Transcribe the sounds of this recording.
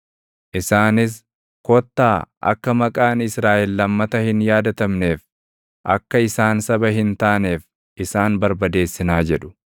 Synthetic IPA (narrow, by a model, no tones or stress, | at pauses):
ʔɪsaːnɪs̬ | kɔt̪ːaːʔɐ̰kːɐmɐkʼaːnɪsɾaːʔɛlːɐmːɐt̪ɐhɪnjaːd̪ɐt̪ɐmne̞ːf | ʔɐkːɐɪsaːnsɐbɐɦɪnt̪aːne̞ːf | ʔɪsaːnbɐɾbɐd̪e̞ːsːɪnaːd͡ʒɛᶑʊ̥